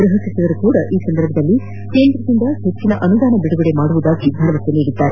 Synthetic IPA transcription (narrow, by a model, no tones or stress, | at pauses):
ɡɾɐɦɐsɐsɐʋɐɾukuːɽɐʔiːsɐnd̪ɐɾbʱɐd̪ɐlːi | ke̞ːnd̪ɾɐd̪ind̪ɐhet͡ʃːinɐʔɐnud̪aːnɐbiɽuɡɐɽe̞maːɽuʋud̪aːɡib̪ʱɐɾʋɐseniːɽid̪ːaːɾe